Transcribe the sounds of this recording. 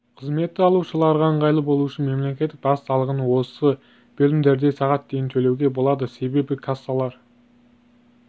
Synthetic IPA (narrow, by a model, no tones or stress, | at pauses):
qʰəzme̞t̪ːɪɑlˠuʃəlˠɑɾʁɑɴʁɑjlˠəbo̞lˠuʃənme̞mle̞kʲet̪ːɪk̚bɑssɑlˠəʁənwo̞sə | b̥ɵlɪmd̪eɾd̪e̞sɑʁɑt̪̚d̪e̞jɪnt̪ʰɵlewɡʲe̞bo̞lˠɑd̪əse̞be̞bɪkʰasalˠɑɾ